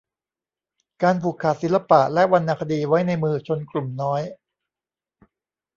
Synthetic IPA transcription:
kaː˧npʰuː˨˩kʰːaː˨˩t̪̚si˩˦la˧pa˨˩ʔlɛ˦˥ʔwa˧nːaː˧kʰa˧diː˧wa˦˥jna˧jmɯː˧t͡ɕʰo˧nklu˨˩mnɔː˦˥j

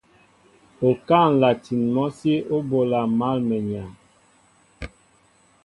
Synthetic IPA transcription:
o˨ka˦˨n˨la˨ti˨nmɔ˦si˦o˦bo˨la˨ma˦˨lmɛ˨ɲa˨

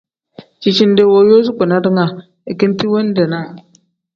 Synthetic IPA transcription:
t͡ʃi˦t͡ʃi˦n˦de˦wo˦jo˦z̬u˦k͡pu˨na˦dŋa˨ | i˨ki˦n˦ti˦wo˦n˦de˨na˦˨

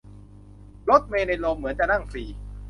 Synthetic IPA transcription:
lo˦˥t̪̚meː˧na˧loː˧mːɯ˩˦ənt͡ɕa˨˩na˥˩ŋfiː˨˧

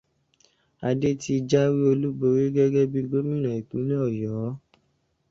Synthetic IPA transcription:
a˧de˦ti˧d͡ʒa˦wi˦o˧lu˦bo˧˦ɾi˦ɡɛ˦ɡɛ˦bi˧ɡo˦mĩ˦˨nã˨i˨k͡pũ˨˦nĩ˦ɔ˦˨jɔ˨˦

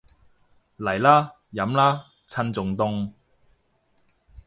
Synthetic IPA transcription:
lɐ˨˩jlaː˦˥ | jɐ˨˥mlaː˥ | t͡sʰɐ˧nt͡sʊ˨ŋt̪ʊ˧ŋ

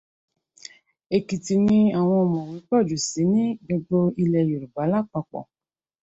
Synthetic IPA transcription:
e˨ki˨ti˨nĩ˦a˨w̃ɔ̃˧ɔ˨mɔ̃˨wi˨˦k͡pɔ˦˨d͡ʒu˨si˨˦nĩ˦bo˧ɡ͡bo˦i˧lɛ˧jo˨ɾu˨ba˨˦la˦˨k͡pa˧k͡pɔ̰˨

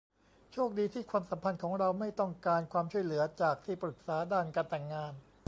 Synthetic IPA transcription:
t͡ɕʰu˥˩ək̚diː˧t̪ʰiː˥˩kʰwaː˧msa˩˦mpʰa˧nkʰɔː˩˦ŋɾa˧wma˥˩jt̪ɔ˥˩ŋkaː˧nkʰwaː˧mt͡ɕʰu˥˩əjlɯ˩˦ɐt͡ɕaː˨˩k̚t̪ʰiː˥˩pɾɯ˨˩k̚saː˩˦daː˥˩nkaː˧nt̪ɛ˨˩ŋːaː˧n

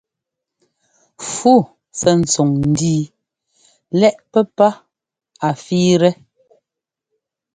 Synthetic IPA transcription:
fu˦˨ | sɛ˨n̩˨t͡so˨ŋn̩˨˦diː˦ | lɛ˦˨ʔpɛ˦pa˦ | a˨fiː˦ɾɛ˦

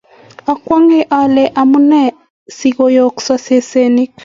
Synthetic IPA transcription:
ɔ˨kwa˦ŋe˦ʔalɛ˨ʔa˨mu˦nɛ˦ | si˨kojoksa˦se˦se˦ni˦k

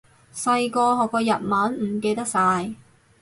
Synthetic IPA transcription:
sɐ˧jkɔː˧ɦɔː˨kːɔː˧jɐ˨t̚maː˨˥nm̩˨˩ke˧jt̪ɐ˥k̚saː˧j

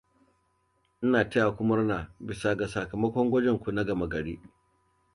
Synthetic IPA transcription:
ʔɪ˦naː˨tɐ˦ja˨kʷʊ˦mɐ˦rnaː˨bɪ˨sa˨ɡa˨sa˨kɐ˨mɐ˦kʷɔ˦ŋɡʷɐ˦d͡ʒɛ˨ŋkʷu˨na˦ɡɐ˨mɐ˨ɡɐ˨ɽiː˦

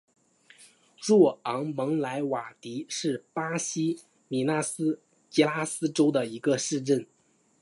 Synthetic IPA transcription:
ʈ͡ʂwɔ˥˩ɑ˧˥ŋmɤ˧˥ŋla˧˥ɪwa˨˩t̪i˧˥ʂɻ̩˥˩pa˥ɕi˥ | mi˨˩na˥˩sɹ̩˥ | t͡ɕi˧˥la˥sɹ̩˥ʈ͡ʂo˥ʊd̪ə˨i˧˥ɡə˧ʂɻ̩˥˧ʈ͡ʂə˥˩n

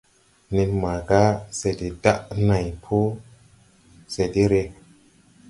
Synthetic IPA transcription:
ne˧tma˨ɡa˦se˨di˨da˦ʔna˨jpʰu˦ | se˨di˦ɾe˧

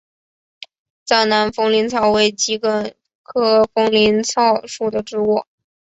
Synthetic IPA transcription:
t͡sa˥˩ɪna˧˥nfɤ˥ŋli˧˥nt͡sʰɑ˥˩ʊwe˧˥˩ɪt͡ɕi˧˥kə˧˥˩n | kʰɤ˥fɤ˥ŋli˧˥nt͡sʰɑ˥˧ʊʂu˥˩d̪ə˩ʈ͡ʂɻ̩˥wɔ˥˩

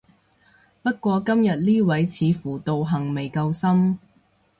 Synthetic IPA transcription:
pɐ˥t̚kʷɔː˧kɐ˥mjɐ˨t̚liː˥wɐ˨˥jt͡sʰiː˨˧fuː˨˩t̪o˨wɦɐ˨˩ŋme˨jkɐ˧wsɐ˥m

